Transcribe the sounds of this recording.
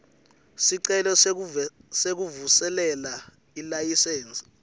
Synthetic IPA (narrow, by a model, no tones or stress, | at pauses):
siǀɛlɔ | sek̬uvusɛlɛla | ilajiseːnt͡sʼi̥